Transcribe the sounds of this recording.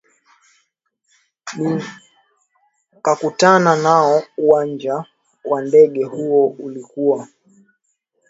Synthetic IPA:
ni | kakutananaɔuwand͡ʒa | wandɛɠɛhuɔulikuwa

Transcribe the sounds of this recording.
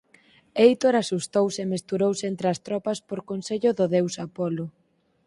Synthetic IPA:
ejt̪oɾasust̪owsɪemest̪uɾowsɪent̪ɾɪɐst̪ɾɔpɐspoɾkonseʎʊðʊðewsapɔlʊ

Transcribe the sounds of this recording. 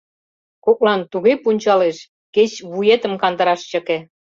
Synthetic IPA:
kok̚lɑnt̪uɣepunʲt͡ɕɑleʃ | ket͡ɕβujet̪ə̆mkɑnd̪ə̆ɾɑʃt͡ɕə̆ke

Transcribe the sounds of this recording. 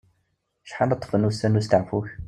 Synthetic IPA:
ʃħanɑt̪ˤːfənusænust̪əʕfuç

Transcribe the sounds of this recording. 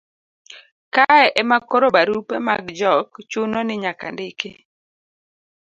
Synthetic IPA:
kaɛʔɛmakoɾobaɾupemaɡd͡ʒɔkt͡ʃunonɪɲaka̰ndɪkḛ

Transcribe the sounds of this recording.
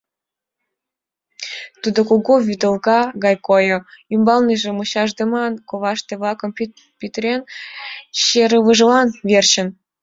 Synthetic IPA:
t̪ud̪okoɣoβyd̪ə̆lɣɑɣɑjkojŏymbɑlniʒĕmuɕɑʒd̪ə̆mɑnkoβɑʃt̪ĕβlɑkə̆m | pʲit̪ɾʲen | ɕeɾəβɨʒəlɑnβert͡ɕə̆n

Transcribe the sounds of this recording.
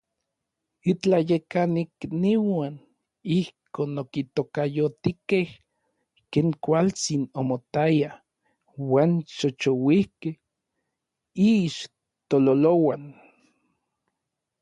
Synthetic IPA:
it͡ɬajekanikniwaːn | ihkoːnokit̪okajot̪ikeh | keːŋkʷalt͡sinomot̪aja | waːnʃot͡ʃowihkeh | iːʃ | t̪ololowan

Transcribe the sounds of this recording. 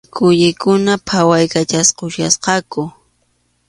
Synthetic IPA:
kʊʎɪkʊnapʰawajkat͡ʃasqʊʃjasqɑkʊ

